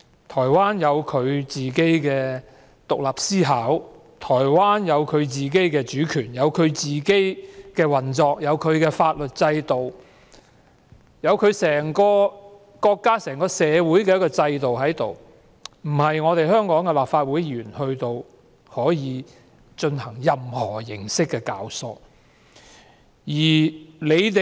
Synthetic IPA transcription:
t̪ʰɔː˨˩jwaː˥njɐ˨˧wkʰɵ˨˧ɥt͡siː˨ke˥jkɛː˧ | t̪ʊ˨k̚laː˨˩p̚siː˥ɦaː˨˥w | t̪ʰɔː˨˩jwaː˥njɐ˨˧wkʰɵ˨˧ɥt͡siː˨k̬e˥jkɛː˧t͡ʃyː˨˥kʰyː˨˩njɐ˨˧wkʰɵ˨˧ɥt͡siː˨ke˥jkɛː˧wɐ˨nt͡sɔː˨˧k̚jɐ˨˧wkʰɵ˨˧ɥkɛː˧faː˧t̚lɵ˨t̚t͡sɐ˧jt̪o˨w | jɐ˨˧wkʰɵ˨˧ɥsɛː˨˩ŋkɔː˧ | kɔː˧kːaː˥sɛː˨˩ŋkɔː˧sɛː˨˧wu˨˥jk̬ɛː˧jkɔː˧t͡sɐ˧jt̪o˨wɦɐ˨˥jt̪o˨w | m̩˨˩hɐ˨jŋɔː˨˧t̪e˨˩jhœː˥ŋkɔː˨˥ŋkɛ˧laː˨p̚faː˧t̚wuː˨˥jyː˨˩nhɵ˧ɥt̪o˧w | hɔː˨˥jiː˨˧ | t͡ʃɵ˧nhɐ˨˩ŋjɐ˨mhɔː˨˩jɪ˨˩ŋsɪ˥kːɛː˧ka̰ː˨˧wsɔ̰ː˧ | jiː˨˩le˨˧jt̪e˨

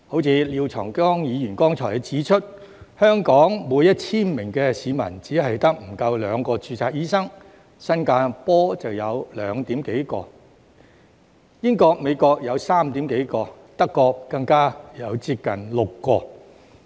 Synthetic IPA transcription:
ho˨˥wt͡sʰiː˨˧liː˨˧wt͡sʰɔː˨˩ŋkɔː˥ŋjiː˨˧jyː˨˩nkɔː˥ŋt͡ʃʰɔː˨˩jt͡siː˨˥t͡ʃʰɵ˥t̚hœː˥ŋkɔː˨˥ŋmuː˨˧jːɐ˥t̚t͡sʰiː˥nmɪ˨˩ŋkɛ˧siː˨˧mɐ̰˨˩nt͡siː˨˥ɦɐ˨jt̪ɐ˥k̚m̩˨˩kɐ˧wlœː˨˧ŋkɔː˧t͡ʃyː˧t͡saː˧k̚jiː˥sɐ˥ŋ | sɐ˥nkaː˧pɔː˥t͡sɐ˨wjɐ˨˧wlœ̰ː˨˧ŋt̪iː˨˥mke˨˥jkɔː˧ | jɪ˥ŋkɔː˧k̚me˨˧jkɔː˧k̚jɐ˨˧wsaː˥mt̪iː˨˥mke˨˥jkɔː˧ | t̪ɐ˥kːɔː˧kːɐ˧ŋkaː˥jɐ˨˧wt͡siː˧p̚kɐ̰˨˩nlʊ˨˩kːɔː˧

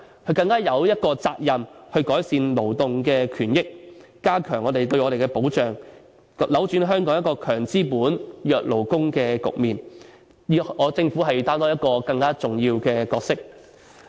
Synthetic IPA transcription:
kʰɵ˧ɥkɐ˧ŋkaː˥jɐ˨˧wjɐ˥t̚kɔː˧t͡saː˧k̚jɐ˨mhɵ˧ɥkɔː˨˥jsiː˨˧nlo˨˩wt̪ʊ˨ŋkɛː˧kʰyː˨˩njɪ˥k̚ | kaː˥kʰœː˨˩ŋɔː˨˧t̪e˨jt̪ɵ˧ɥʔɔː˨˧ɾe˨jkɛ˧po˨˥wt͡ʃœː˨˩ŋ | lɐ˨˥wt͡ʃyː˨˥nɦœː˥ŋkɔː˨˥ŋjɐ˥kɔː˧kʰœː˨˩ŋt͡siː˥puː˨˥njœː˨k̚lo˨˩wkʊ˥ŋkɛː˧kʊ̰˨k̚miː˨n˨˧ | ɔː˨˧t͡sɪ˧ŋfu˨˥ɦɐ˨jt̪aː˥t̪ɔː˥jɐ˥t̚kɔː˧kɐ˧ŋkaː˥t͡sʊ˨ŋjiː˧wkɛː˧kɔː˧k̚sɪ˥k̚

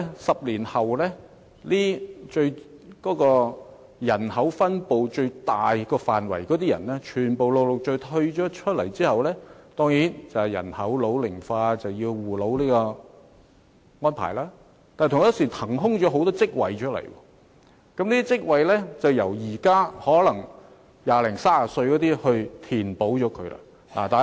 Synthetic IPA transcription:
sɐ˨p̚liː˨˩nhɐ˨wlɛː˥ | liː˥t͡ʃɵ˧ɥkɔː˨˥kɔː˧ | jɐ˨˩nhɐ˨˥wfɐ˥npo˨wt͡ʃɵ˧ɥt̪aː˨jkɔː˧faː˨nwɐ̰˨˩jkɔ˨˥t̪iː˥jɐ̰˨˩nlɛː˥t͡ʃʰyː˨˩npo˨wlo˨wlʊ˨˩k̚t͡ʃɵ˧ɥt̪ʰɵ˧ɥt͡ʃɔː˨˥t͡ʃʰɵ˥t̚lɐ̰˨˩jt͡siː˥hɐ˨wlɛː˥t̪ɔː˥ŋjiː˨˥nt͡sɐ˨jɐ̰˨˩nhɐ˨˥wlo˨˧˥wlɪ˨˩ŋfaː˧t͡sɐ˨wjiː˧wwuː˨˩lo˨˥wliː˥kɔː˧ | ŋɔː˥npʰa̰ː˨˩jlaː˥ | t̪aː˨t̪ʰʊ˨ŋ˥˦˥siː˨˩t̪ʰɐ˨˩ŋɦʊ˥ŋt͡ʃɔː˨˥ɦo˨˥wt̪ɔː˥t͡sɪ˥k̚wɐ̰˨jt͡ʃʰɵ˥t̚lɐ̰˨˩jwɔ̰ː˧ | kɐ˨˥mniː˥t̪iː˥t͡sɪ˥k̚wɐ˨jlɛ˥t͡sɐ˨wjɐ˨˩wjiː˨˩kaː˥hɔː˨˥lɐ˨˩ŋ | jaː˨˧lɪ˨˩ŋsaː˥aː˨sɵ˧ɥkɔː˨˥t̪iː˥hɵ˧ɥt̪ʰiː˨˩npo˨˥wt͡ʃɔː˨˥kʰɵ˨˧ɥla̰˧ | na̰ː˨˩t̪aː˨

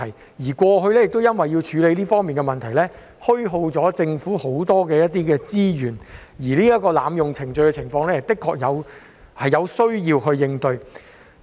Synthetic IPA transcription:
ɐ˨˩j | jiː˨˩kʷɔː˧ɦɵ˧ɥlɛː˥jɪ˨k̚t̪o˥wjɐ˥nwɐ˨jːi˧wt͡ʃʰyː˨˧le˨˧jliː˥fɔː˥ŋmiː˨nkɛ˧mɐ˨nt̪ʰɐ˨˩jlɛː˥ | hɵ˥ɥɦo˧wt͡sɔː˨˥t͡sɪ˧ŋfuː˨˥ho˨˥wt̪ɔː˥kɛː˧jɐ˥t̪̚ːiː˥kɛː˧t͡siː˥jyː˨˩n | jiː˨˩liː˥ɐ˥kːɔː˧laː˨˧mjʊ˨˩ŋt͡sʰɪ˨˩ŋt͡ʃɵ˧ɥkɛ˧t͡sʰɪ˨˩ŋfɔː˧ŋlɛː˥ht̪ɪ˥kʰːɔː˧k̚jɐ˨˧w | hɐ˨jɐ˨˧wsɵ˥ɥjiː˧wɦɵ˧ɥːɪ˧ŋt̪ɵ˧ɥ

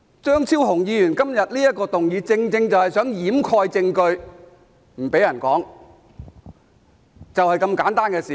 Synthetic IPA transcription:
t͡ʃœː˥ŋt͡sʰiː˥wɦʊ˨˩ŋjiː˨˧jyː˨˩nkɐ˥mjɐ˨t̚liː˥jɐ˥t̚kɔː˧t̪ʊ˨ŋjiː˨˧t͡sɪ˧ŋt͡sɪ˧ŋt͡sɐ˨˩whɐ˨jsœː˨˥ŋjiː˨˥mkʰɔː˧jt͡sɪ˧ŋkɵ˧ɥ | m̩˨˩pe˨˥jɐ˨˩nkɔː˨˥ŋ | t͡sɐ˨whɐ˨jkɐ˧mkaː˨˥nt̪aː˥nkɛː˧siː˨˩

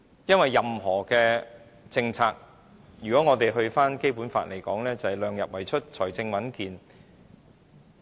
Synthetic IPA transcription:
jɐ˥nwɐ˨jːɐ˨mɦɔː˨˩kɛː˧ | t͡sɪ˧ŋt͡sʰaː˧k̚ | jyː˨˩kɔː˨˥ŋɔː˨˧t̪e˨jɦɵ˧ɥfaː˥nke˥jpuː˨˥nfa̰ː˧t̚le˨˩jkɔː˨˥ŋlɛː˥t͡sɐ˨hɛ˨˩jlœː˨ŋjɐ̰˨p̚wɐ˨˩jt͡ʃʰɵ˥t̚t͡ʃʰɔː˨˩jt͡sɪ˧ŋwɐ˨˥nkiː˨˧n

